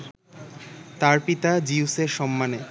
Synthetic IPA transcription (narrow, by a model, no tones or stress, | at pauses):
t̪aɾpit̪ad͡ʑiuseɾʃɔmːane